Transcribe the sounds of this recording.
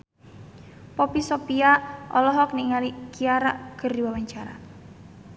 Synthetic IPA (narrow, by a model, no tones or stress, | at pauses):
pɔpisɔpiaʔʔɔlɔɦɔk̚niŋalikiaɾaʔkərdiwawaɲt͡ʃaɾa̰